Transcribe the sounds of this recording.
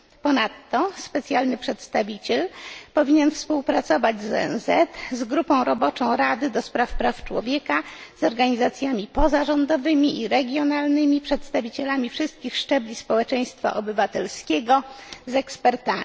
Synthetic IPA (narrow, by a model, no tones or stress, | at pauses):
pɔnat̪ːɔspɛt̪sʲjalnɘpʂɛt̪st̪avʲit͡ɕɛlpɔvʲiɲɛnfspuwpɾat̪sɔvad͡ʑzɔ̰ɛ̰nzɛt̪zɡɾupɔ̃w̃ɾɔbɔt͡ʂɔ̃w̃ɾad̪ɘd̪ɔspɾafpɾaft͡ʂwɔ̰vʲjɛkazɔɾɡaɲizat̪sʲjamʲipɔzaʐɔnd̪ɔvɘmʲiʔiɾɛɡʲjɔnalnɘmʲipʂɛt̪st̪avʲit͡ɕɛlamʲifʂɘst̪̚kʲixʂt͡ʂɛblʲispɔwɛt͡ʂɛj̃st̪fa̰ʔɔbɘvat̪ɛlskʲɛɡɔzɛkspɛɾt̪a